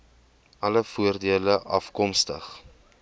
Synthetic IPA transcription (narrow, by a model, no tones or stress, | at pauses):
ʔɐləfuərdiələʔɐfkɔmstə̰χ